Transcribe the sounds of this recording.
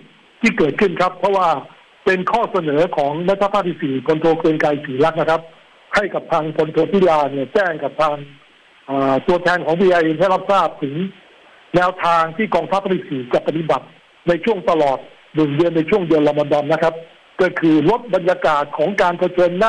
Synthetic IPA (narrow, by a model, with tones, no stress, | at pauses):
t̪ʰiː˥˩kɤː˨˩t̪̚kʰɯ˥˩nkʰa˦˥pʰːɾɔ˦˥waː˥˩ | pe˧nkʰɔː˥˩sa˧nɤː˩˦kʰɔː˩˦ŋma˦˥t̪ʰːa˦˥pʰaː˥˩t̪ʰi˥˩siː˨˩pʰo˧nt̪ʰoː˧kɾɯː˧ənkaː˧jsiː˩˦la˦˥k̚na˦˥kʰa˦˥p̚ | ha˥˩jka˨˩p̚t̪ʰaː˧ŋpʰo˧nt̪ʰoː˧t̪ʰi˦˥˩laː˧ni˧˥˩ɐt͡ɕɛː˥˩ŋka˨˩p̚t̪ʰaː˧ŋ | ʔaː˨˩t̪u˧ɐt̪ʰɛː˧nkʰɔː˩˦ŋbiː˧ʔa˧jɦa˥˩jla˦˥p̚saː˥˩p̚t̪ʰɯ˩˦ŋ | nɛː˦˥wt̪ʰaː˧ŋt̪ʰiː˥˩kɔː˧ŋt̪ʰa˦˥pʰːa˧˥li˧˩t̪̚siː˨˩t͡ɕa˨˩pːa˧˩t̪i˨˩ba˨˩t̪̚ | na˧jt͡ɕʰu˥˩əŋt̪a˧lɔː˨˩t̪̚ | nɯ˨˩ŋdɯ˧ənːa˧jt͡ɕʰu˥˩əŋdɯ˧ənla˧ma˧ndɔ˧nna˦˥kʰa˦˥p̚ | kɔ˥˩kʰɯː˧lo˦˥t̪̚ba˧njaː˧kaː˨˩t̪̚kʰɔː˩˦ŋkaː˧npʰa˧t͡ɕʰɤː˧nːaː˥˩